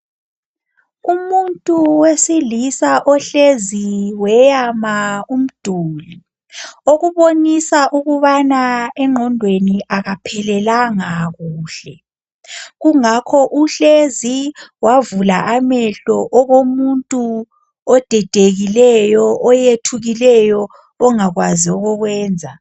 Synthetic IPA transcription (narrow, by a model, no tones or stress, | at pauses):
umuntʼuwesilisaʔɔɬeziwɛjamaum̩d̥ʱuːli | oɣuβonisaʔuɣuβanaɛŋ͡ǃʱɔndʱweniʔaɣapʰɛlɛlaŋaɣuːɬɛ | ɣuŋakʰɔʔuɬeziwavulaʔamɛɬɔʔɔɣomuntʼu | ɔd̥ʱɛd̥ʱeɣilɛjɔʔɔjetʰuɣilɛjɔː | ŋaɣwaziɔɣɔɣwɛːnd͡zʱa